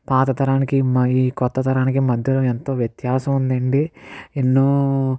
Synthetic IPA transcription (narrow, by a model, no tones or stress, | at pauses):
paːt̪ɐt̪ɐɾaːnikimiːkɔt̪ːɐt̪ɐɾaːnikimɐd̪ʱjɐluːent̪o̞ːʋjet̪jaːsɐmund̪ɐɳɖienːuː